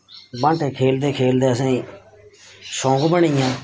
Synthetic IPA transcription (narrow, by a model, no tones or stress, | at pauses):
bãɳʈeːkʰeːld̪eːkʰeːld̪eːəsẽː | sõːɡbəɳiːjãː